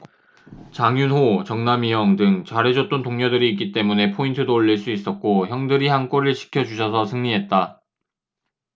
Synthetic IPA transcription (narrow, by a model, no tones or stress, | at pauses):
t͡ɕaŋjunɦot͡ɕʌŋnamijʌŋdɯŋt͡ɕaɾe̞d͡ʑʌt̚t͈ontoŋɲʌdɯɾiːk͈it͈e̞mune̞pʰointʰɯdoːʎːiɭs͈uis͈ʌt̚k͈oçjʌŋdɯɾihank͈ʌɾɯɭɕʰi̥kʰjʌd͡ʑuɕʰʌsʰʌsʰɯŋɲiɦe̞t̚t͈a